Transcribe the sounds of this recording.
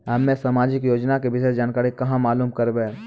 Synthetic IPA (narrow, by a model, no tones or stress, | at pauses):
ɦɐmːẽsamaːd͡ʒɪkjoːd͡ʒnakebɪsesd͡ʒaːnkaːɾikɐɦãmaːluːmkɐɾbẽ